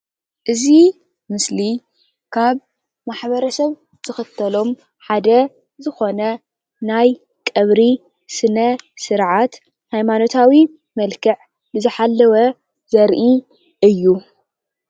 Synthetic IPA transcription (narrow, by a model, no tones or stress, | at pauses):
ʔɨzi | mɨsli | kʰaβ | maħβɐɾɐsɐβ | z̥ɨxɨt̪ʰːɐlo̞m | ħad̪ɐ | zɨxo̞nɐ | naj | kʼɐβɾi | sɨnɐsɨɾʕat̪ | hajmano̞t̪ʰawi | mɐlkʰɨʕ | bɨzɨħalːɐwɐ | zɐɾʔi | ʔɨjːu